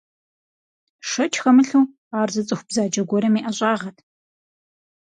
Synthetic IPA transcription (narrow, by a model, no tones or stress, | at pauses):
ʂɐt͡ʃʰxɐmɨɬuː | aːrzɨt͡sʼɨxʷb̥zaːd͡ʒɐɡʷɔɾɐmiːʔɐɕʼaːʁɐtʰ